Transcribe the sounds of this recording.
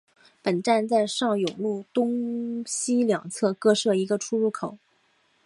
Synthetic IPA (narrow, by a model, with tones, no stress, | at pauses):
pə˨˩nʈ͡ʂa˥˧nt͡sa˥˧ɪʂɑ˥˩ŋjʊ˨˩ŋlu˥˩t̪ʊ˥ŋɕi˥ljɑ˨˩ŋt͡sʰɤ˥˩kɤ˥˧ʂɤ˥˩i˧˥ɡə˧ʈ͡ʂʰu˥ɻu˥˩kʰo˨˩˦ʊ